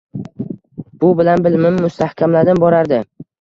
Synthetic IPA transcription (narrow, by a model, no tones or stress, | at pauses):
b̥ʊbɪlanbɪlmɪmːʊst̪ʰahkʲʰamlad̪ɪmbɒɾaɾd̪ɪ